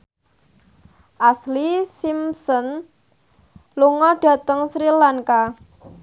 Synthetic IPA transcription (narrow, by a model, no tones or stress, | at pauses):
ʔaslisimsɔn | luŋɔɖ̥ä̤t̪əŋsɾilaŋka